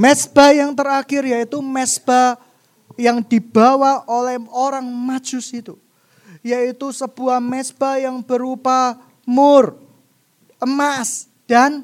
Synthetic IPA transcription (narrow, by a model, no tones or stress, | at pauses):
mɛsb̥ajaŋt̪ərakɪrjait̪umɛsb̥a | jaŋd̥i̤b̥awaolɛhoɾaŋmḁd͡ʒ̥ʊsit̪u | jait̪usəb̥uahmɛsb̥ajaŋb̥əɾupa | mʊr | əmas | d̥an